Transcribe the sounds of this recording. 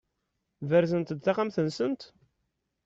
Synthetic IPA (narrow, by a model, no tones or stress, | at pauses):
vəɾzənt̪d̪θaqamθənsənt̪